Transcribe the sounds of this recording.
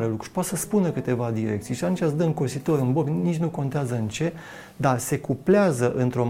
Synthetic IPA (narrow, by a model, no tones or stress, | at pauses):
ɾelukɾu̥ʃpat̪səspunəkɨt̪e̞vad̪iɾek̚t̪sijʃiat̪unt͡ʃʲasd̪əɨŋkosit̪o̞ɾɨnbobʲnit͡ʃʲnuko̞nt̪eazəɨnt͡ʃe̞ | d̪ase̞kupleazəʔɨnt̪ɾo̞